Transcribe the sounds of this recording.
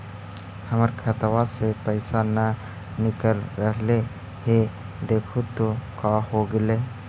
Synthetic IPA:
həməɾkʰət̪wasepəɪsanə | nɪkəlɾəɦle | ɦe | d̪eːkʰut̪okaːɦoɡɪle

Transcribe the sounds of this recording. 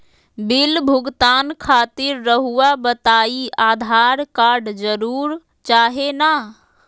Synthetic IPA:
bilbʱʊɡt̪aːnkʰat̪iɾːəɦuabət̪aiaːd̪ʱaɾkaɾɖd͡ʒəɾuːɾ | t͡ʃaːɦena

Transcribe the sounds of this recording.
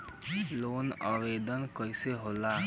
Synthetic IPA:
loːnaːʋeːd̪ənkəiseɦoːlaː

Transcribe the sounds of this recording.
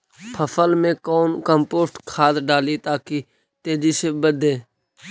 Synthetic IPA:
pʰəfəlmẽːkoːnkəmpoːsʈkʰaːt̪ɖaːliːt̪aːkiː | t̪eːd͡ʒiːseːbəd̪ʱeː

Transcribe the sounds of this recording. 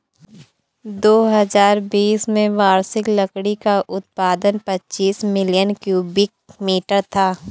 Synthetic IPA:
d̪oːɦɐzaːɾbiːsmẽʋaːɾsɪklɐkɽikaʔʊt̪̚paːd̪ənpɐtːt͡ʃiːsmɪlijənkjuːbɪk̚miːʈəɾt̪ʰaː

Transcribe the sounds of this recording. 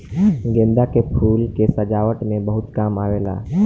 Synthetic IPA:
ɡẽːnd̪akepʰuːlkesəd͡ʒaːʋəʈmẽbəɦʊt̪kaːmaːʋeːla̰ː

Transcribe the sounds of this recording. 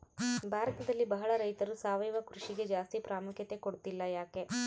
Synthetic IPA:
bʱaːɾɐt̪ɐd̪ɐlːibɐɦɐɭɐɾɐjt̪ɐɾusaːʋɐjɐʋɐkɾuʂiɡe̞d͡ʒaːst̪ipɾaːmukʰjɐt̪e̞koɽut̪ilːɐjaːke̞

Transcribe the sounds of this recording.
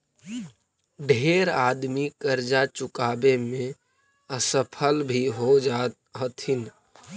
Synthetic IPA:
ɖʱeːɾaːd̪mikəɾd͡ʒat͡ʃʊkaːbemẽ | əsəpʰəlbʱiɦod͡ʒa | ɦot̪ʰɪn

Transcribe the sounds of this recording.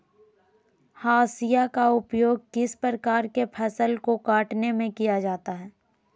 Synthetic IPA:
haːsijakaʊpjoːɡ̚kɪspəɾəkaːɾkepʰɛsəlkokaːʈnemẽkijad͡ʒaːt̪aɦɛː

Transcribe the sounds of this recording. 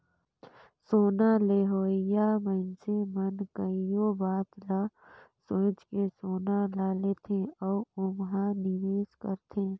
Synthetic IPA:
soːnaleːɦoːɪjaməɪnsemənkəijobaːt̪la | sõːt͡ʃkesoːnalaːleːt̪ʰẽɔːʊmɦãnɪʋeːskə̰ɾt̪ʰẽː

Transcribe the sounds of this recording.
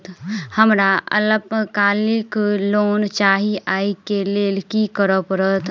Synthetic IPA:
t̪həmɾaə̰ləbəkaːlikloːnt͡ʃaːɦiʔaikeleːlkikəɾəpəɾət̪

